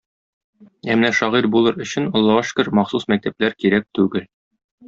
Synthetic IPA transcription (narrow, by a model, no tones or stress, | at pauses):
æmnæʃɒʁiɾbulˠɤɾɵ̆ɕɘ̆nŏlˠːɑwɤʃkɘɾmɒχsusmæk̚t̪æplæɾkiɾæk̚t̪ʉɡɘl